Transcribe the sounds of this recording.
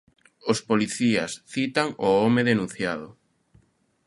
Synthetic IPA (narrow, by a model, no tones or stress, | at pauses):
ospoliθiɐ̰sθit̪aŋoomeðenũn̟θjaðʊ